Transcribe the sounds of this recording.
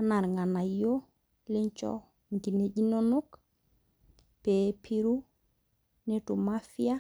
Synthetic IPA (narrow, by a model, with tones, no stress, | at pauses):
ana˨ɾŋa˨na˨jo˦ | le˦ɲt͡ʃɔ̰˦ | ŋ˨ɡi˨ne˨d͡ʒi˦no˦nu˦k | pepʰi˦ɾu˦ | ne˦tu˨ma˦fia˦